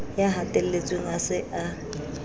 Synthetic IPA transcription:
jaɦatʼel̩let͡sʼweŋ̩asɪʔa

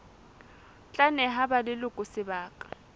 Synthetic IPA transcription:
t͡ɬʼanɛɦabalɪlʊkʼʊsɪbaːkʼḁ

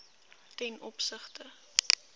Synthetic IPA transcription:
tɛnɔpsəχtə

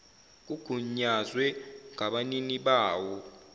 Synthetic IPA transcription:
k̬uɡ̥ʱuɲazwɛŋaɓaniniɓaːwɔ

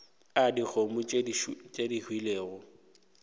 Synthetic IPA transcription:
adik͡xʰomʊt͡ʃʼedihwileːɣʊ

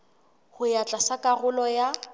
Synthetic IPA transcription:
hʊjat͡ɬʼasakʼaɣʊlɔja

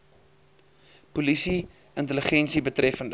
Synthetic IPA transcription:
pulisi | əntələχɛnsibətrɛfənd

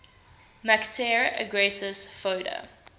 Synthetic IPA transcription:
maktʰɛɹə̰ɡɹɛsəsfoːɾə̰

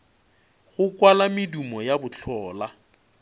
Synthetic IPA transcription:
ɣʊkwalamɪdumɔjabʊt͡ɬʰɔːla

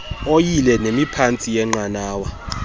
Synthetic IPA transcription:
ojilɛnemipʰant͡sʼijɛŋ͡ǃanaːwa

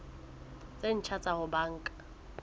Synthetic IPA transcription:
t͡sʼen̩t͡ʃʰat͡sʼahʊbaːŋ̩ːkʼḁ

